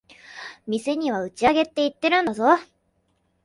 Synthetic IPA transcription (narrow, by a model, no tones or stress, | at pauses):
mʲise̞ɲ̟iβ̞aɯ̟t͡ɕiaɡe̞t̪ːe̞it̪ːe̞ɾɯ̟̃nd̪azo̞